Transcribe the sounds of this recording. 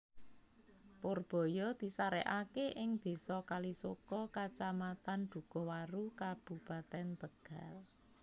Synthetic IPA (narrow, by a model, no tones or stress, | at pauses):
porb̥ɔ̤jɔd̪̥i̤saɾɛ̰ʔakeʔɪŋb̪̥e̤sɔkalisokɔkat͡ʃamat̪and̪̥ṳkɔ̤waɾukab̥ṳb̥at̪ɛnb̥əɡ̥a̤l